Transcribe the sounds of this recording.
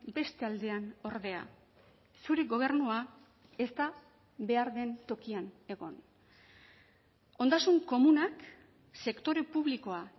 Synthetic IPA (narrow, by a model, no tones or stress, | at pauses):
be̞st̪e̞ald̪e̞ano̞ɾðe̞a̰ | suɾeɡo̞β̞e̞rnua | e̞st̪a | βe̞aɾðe̞nt̪o̞kiane̞ɣo̞n | o̞nd̪asuŋko̞munak | se̞kt̪o̞ɾepuβliko̞a